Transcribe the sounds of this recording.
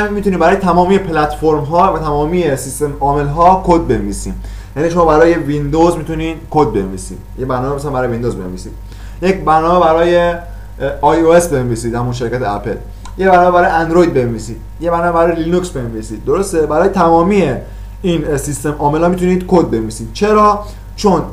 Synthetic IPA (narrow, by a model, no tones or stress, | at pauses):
æmmit̪uniːbæɾɒːjet̪ʰæmɒːmijepʰlæt̪foɾmɦɒːvæt̪ʰæmɒːmiːjesist̪e̞mɒːme̞lɦɒːkʰod̪̚be̞nviːsḭm | jæniːʃoːbæɾɒːje̞vind̪ozmit̪ʰuniːd̪kʰod̪̚be̞̰nvḭːsḭd̪jebæɾnɒːmeesæmbæɾɔːjvind̪ozbe̞nvḭːsiːd̥̪ | jecbæɾnɔːmebæɾɒːje | ɒjoesbe̞nviːsiːd̪hæmunʃe̞ɾkæt̪ʰeæpʰḛl | jebæɾnɒːmebæɾɔːjænd̪ɾojd̪̚be̞nviːsiːd̪̥̚jebæɾnɒːmebæɾɒːjelinuksbenvisiːd̪̚ːoɾost̪ebæɾɒːjet̪ʰæmɒːmiːje | iːnsist̪emʔɒːme̞lhɒːmit̪uniːd̪̥kʰod̪̚be̞nviːsiːd̪̥̚t͡ʃʰe̞ɾɒː | t͡ʃʰon